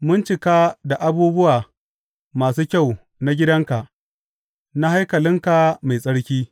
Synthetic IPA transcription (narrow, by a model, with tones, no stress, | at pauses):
mʊ˦nt͡ʃɪ˨kaː˦da˨ʔa˦buː˦bʊ˦waː˨ | maː˨suː˦kʲa˦˨w | na˦ɡʲɪ˦dɐ˦ŋka˨ʔ | na˦ha˦jkɐ˨lɪ˦ŋka˨ma˨jsʼɐ˦ɽkʲiː˦